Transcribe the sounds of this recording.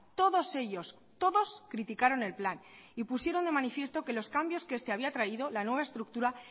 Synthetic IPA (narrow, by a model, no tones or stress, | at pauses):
t̪o̞ðo̞se̞ʝo̞s | t̪o̞ðo̞skɾit̪ikaɾo̞ne̞lplanipusje̞ɾo̞nd̪e̞manifje̞st̪o̞kelo̞skambjo̞ske̞st̪e̞aβiat̪ɾaiðo̞lanwe̞β̞ae̞st̪ɾuk̚t̪uɾa